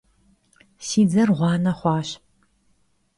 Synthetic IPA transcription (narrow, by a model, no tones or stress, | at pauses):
siːd͡zɐrʁʷɑːnɐχʷɑːɕ